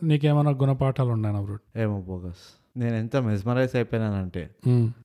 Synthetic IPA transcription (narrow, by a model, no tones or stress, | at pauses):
niːk̬eːmɐjnaːɡunɐpaːʈʰaːluɳːɖaːjnɐʋɾuːɽeːmoːboːɡɐs | ne̞ːnent̪ɐmes̬mɐɾɐjsɐjpɐːjnaːnɐɳʈḛː